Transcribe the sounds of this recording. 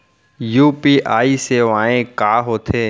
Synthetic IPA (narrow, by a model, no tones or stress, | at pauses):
juːpiːʔaːiseːʋaːẽkaːɦoːt̪ʰeː